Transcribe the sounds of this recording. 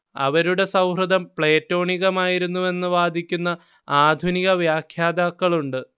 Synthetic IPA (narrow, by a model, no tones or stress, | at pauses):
ɐ̰ʋɐɾuɽe̞sɐwrɐd̪ɐmpɭe̞ːtːo̞ːɳiɣɐmaːjiɾunːuʋe̞nːɨʋaːd̪ʱikʲːunːɐ | aːd̪ʱuniɣɐʋjaːkʰjaːd̪aːkːɐɭuɳɖɨ